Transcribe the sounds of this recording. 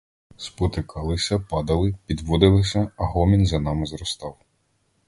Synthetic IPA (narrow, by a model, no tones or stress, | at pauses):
spɔt̪ɪkɑlˠɪsʲɐpɑd̪ɐlˠɪpʲid̪ʋɔd̪ɪlˠɪsʲɐɐɦɔmʲinzɐnɑmɪzɾɔst̪ɑw